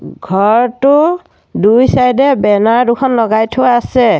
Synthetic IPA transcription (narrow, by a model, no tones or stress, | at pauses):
ɡʱɔɹtʊ | dujsajdɛbɛnaɹdʊkʰɔnlɔɡajtʰʊwaːsɛ